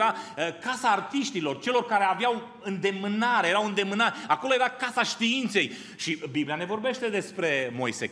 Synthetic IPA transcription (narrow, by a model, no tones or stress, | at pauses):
ɾaəkasaːrt̪iʃt̪ilo̞rt͡ʃe̞lo̞rkaɾe̞aveaw | ɨnd̪e̞mɨnaɾeje̞ɾawɨnd̪e̞mɨnaɾako̞loje̞ɾakasaʃt̪iint̪se̞j | ʃibiblijane̞vo̞rbe̞ʃt̪e̞d̪e̞spɾe̞mo̞̰jse